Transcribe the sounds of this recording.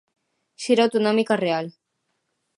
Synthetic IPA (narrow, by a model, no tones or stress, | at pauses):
ʃiɾawt̪onɔmikareal